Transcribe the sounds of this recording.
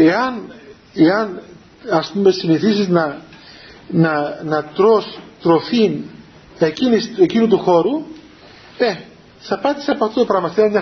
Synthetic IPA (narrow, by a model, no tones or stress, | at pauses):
e̞ɐn | eɐn | ɐspume̞siniθisiznɐ | nɐnɐt̪ɾost̪ɾo̞fin | ecinisecinut̪uxo̞ɾu | e | θɐpɐt̪i̥seɐpoɐft̪ot̪opɾɐmɐst̪ieɐmɲɐ